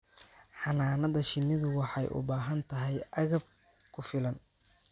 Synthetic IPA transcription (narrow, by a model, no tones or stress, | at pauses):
ħɑnaːnɐðɐʃɪnːɪðʊwɑħɑjʔʊ̰baːɦɐnt̪ʰɐɦɛjʔɐɣɐb̚ | kʰʊfɪlɐn